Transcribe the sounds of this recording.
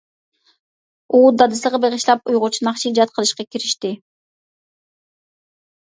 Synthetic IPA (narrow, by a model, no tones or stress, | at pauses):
uːd̪ɑd̪ɯsˠʁɯbeʁiʃlˠɑpujʁot͡ʃunɑqt͡ʃid͡ʒɑt̪̚qə̆lˠɯʃqɑkiɾiʃt̪i